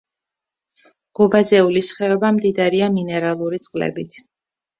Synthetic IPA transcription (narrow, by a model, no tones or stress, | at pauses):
ʁ̥ubazɛulisχɛɔbamd̪id̪ɾiaminɛɾalˠuɾit̪sʼqʼlɛ̰bit̪sʰ